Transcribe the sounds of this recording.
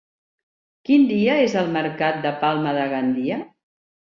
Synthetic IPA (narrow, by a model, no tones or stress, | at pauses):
kind̪iəezəlˠməɾkat̪̚d̪əpalˠməðəɣand̪iə